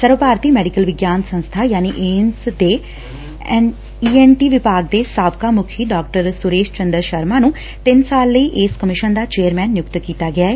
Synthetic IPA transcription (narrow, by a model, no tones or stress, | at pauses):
səɾʋəpaːɾt̪iːmɛːɖɪkəlʋɪɡjaːnsə̃nst̪ʰaːjaːniːʔeːmsd̪eː | iːɛːnʈiːʋɪpaːɡ̚d̪eːsaːbkaːmʊkʰiːɖaːk̚ʈəɾsʊɾeːʃt͡ʃənd̪əɾʃəɾmaːnũː | t̪ɪnsaːlːəiːʔeːskəmɪʃənd̪aːt͡ʃeːəɾmɛ̃ːnːjʊkt̪kiːt̪aːɡɪaːɦɛː